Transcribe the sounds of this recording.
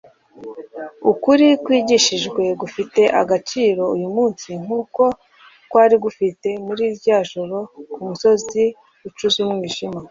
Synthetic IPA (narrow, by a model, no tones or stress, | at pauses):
ukuɾikwiːɟiʃiʒɡwe̞ɡufite̞ʔa̰ɡat͡ʃiːɾo̞ujumuːnsiŋ̥uːko̞ | kwaːɾiɡufite̞muɾiːɾjaːʒoɾo̞kumuso̞zi | ut͡ʃuzumŋiːʒima